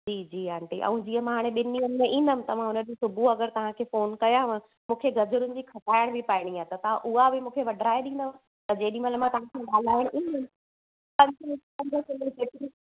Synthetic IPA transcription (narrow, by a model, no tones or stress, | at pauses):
d͡ʑiːd͡ʑiːaːɳʈiʔɐ̰̃ũd͡ʑiːə̃mãɦaːɽ̃eɓɪniənẽʔĩːnd̪əmɪ̃t̪ɐʋ̤ãɦʊnəd͡ʑĩsʊbʱuɐɡəɾt̪ɐʋ̤ãkʰeːfoːnkɐjaʋ̃ | mũːkʰeɡɐd͡ʑʊɾʊnɪ̆d͡ʑiːkʰɐʈaːɪɽ̃bʱɪpaːɪɽ̃iat̪ɐt̪ɐʋ̤ãʔʊɦabʱɪmũːkʰeʋɐɖʱɾaːeɗĩːnd̪əɪ̃ | t̪ɐd͡ʑeːɗĩmɐt̪ləbmãt̪ɐʋ̤ãkʰãɠaːl̤aːɪɽ̃ʔĩːnəmɪ | pɐɲdənɪkɐ̃ɲd̪ʱəsʊliseʈɾi